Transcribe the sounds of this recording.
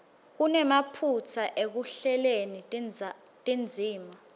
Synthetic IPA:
k̬unɛmapʰut͡sʰaʔek̬uɬɛleni | tʼind͡zʱiːma

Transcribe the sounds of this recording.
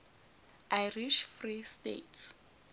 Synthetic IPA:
ʔajriʃfristḛt

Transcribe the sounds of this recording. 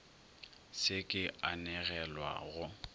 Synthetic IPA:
sɪkʼɪanɛɣɛlwa̰ɣʊ

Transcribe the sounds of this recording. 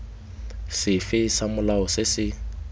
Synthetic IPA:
sɪfɪsamʊlaɔsɪsɪ

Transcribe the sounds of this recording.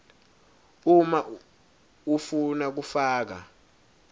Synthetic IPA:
uma | ufunak̬ufaːk̬a̰

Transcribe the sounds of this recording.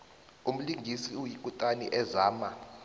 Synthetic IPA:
um̩liŋɡʱisiujik̬ʼutʼanḭʔɛzaːma

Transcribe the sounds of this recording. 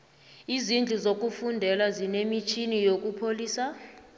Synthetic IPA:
izind͡ɮʱuzok̬ʼufundʱɛlazinemit͡ʃʰinijok̬ʼupʰoliːsa

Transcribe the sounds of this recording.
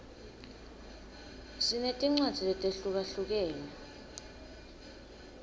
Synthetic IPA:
sinetʼiŋ͡ǀwad̥z̥ʱilɛtʼeɬuk̬aɬuk̬eːni

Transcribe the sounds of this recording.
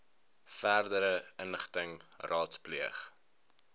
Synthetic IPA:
færdəɾəənəχtəŋrɑːtspliəχ

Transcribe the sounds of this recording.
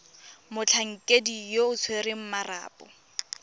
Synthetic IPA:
mʊt͡ɬʰaŋ̩kʼedijoʊt͡sʰweɾɪm̩mara̰ːpʼɔ̰

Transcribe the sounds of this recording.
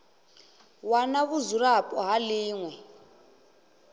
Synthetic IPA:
wanaβuzurapʼɔɦaliːŋwɛ

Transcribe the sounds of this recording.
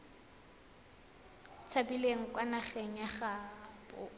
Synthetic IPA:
t͡sʰabileŋ̩kwanaχɛŋ̩jaχabʊ

